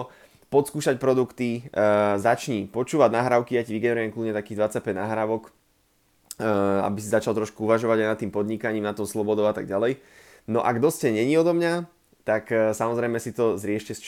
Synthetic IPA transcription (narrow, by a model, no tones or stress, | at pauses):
pɔt̪skuːʃacpɾɔd̪ukt̪izat͡ʃɲipɔt͡ʃuːʋaɟnaɦɾaʊkijaciʋiɡɛnɾujɛmkludɲɛt̪akiːɣd̪ʋat͡sac̚pɛɟnaɦɾaːʋɔk | a̰bisizat͡ʃalˠt̪ɾɔʃkuuʋaʒɔʋaɟaɪjnat̪ːiːmpɔd̪ɲikaɲiːmnat̪ɔʊslɔbɔd̪ɔʊat̪aɡ̚ɟalɛj | nɔʔaɡd̪ɔscɛɲɛɲiɔd̪ɔmɲa | t̪aksamɔzɾɛjmɛsit̪ɔzɾɪɛʃcɛst͡ʃ